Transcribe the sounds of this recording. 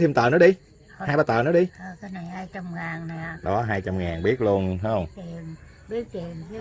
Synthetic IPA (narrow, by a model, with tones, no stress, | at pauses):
t̪ʰi˧mt̪əː˨˩nɔ˨˦˥ɗi˧ | haː˧jɓaː˧˩t̪ə̰ː˨˩nɔ˨˦ɗi˧ʔəː˨˩kaː˨˦jna˨˩jhaː˧jt͡ɕa˧mŋaː˨˩ŋna˨˩ɗɔ˨˦ɦaː˧jt͡ɕa˧mŋaː˨˩nɓi˦˥ət̚lu˧ənɦa˨˧˦hwŋ͡mi˨˩n | ɓi˦˥ət̪i˨˩ən˨˦